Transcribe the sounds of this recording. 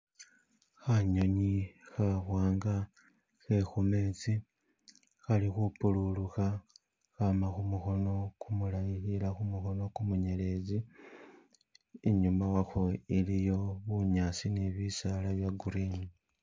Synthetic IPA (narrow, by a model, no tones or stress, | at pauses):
xaɲo̞ɲixaxwaːŋɡa | xe̞xume̞ːt͡si | xalixupululuxa | xamaxumuxo̞no̞kumulajixilaxumuxo̞no̞kumuɲe̞le̞zi | eɲumawaxo̞ilijo̞βuɲaːsineβisalaβjaɡuɾiːni